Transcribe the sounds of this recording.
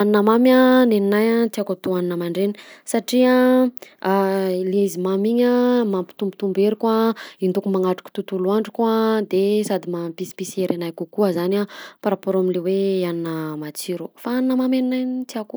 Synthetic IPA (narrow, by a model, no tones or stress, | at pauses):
aninəmamaneninajat͡s̪iakat̪uaninəmaɳɖ͡ʐeni̥saʈ͡ʂia | leizimamiɲamampi̥t̪umbit̪umbeɾikwaind̪ukumaŋaʈ͡ʂu̥ku̥t̪ut̪uluaɳɖ͡ʐikwad̪esad̪imapisi̥pisieɾenajkukuazanapaɾapoɾamileweaninəmat͡siɾufaaninəmameninajnt͡s̪iaku